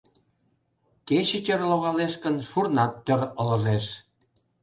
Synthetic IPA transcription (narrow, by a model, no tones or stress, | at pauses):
ket͡ɕət͡ɕərloɣɑleʃkənʃurnɑt̪ːø̆rələ̆ʒeʃ